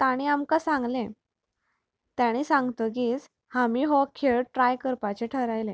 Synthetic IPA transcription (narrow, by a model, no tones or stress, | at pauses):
t̪aɽ̃iamkasãŋɡlẽ | t̪jaɽ̃isãŋɡt̪əɡiːt͡s | hamiɦɔkʰeɭʈɾajkəɾpat͡ɕeʈʰəɾajlẽ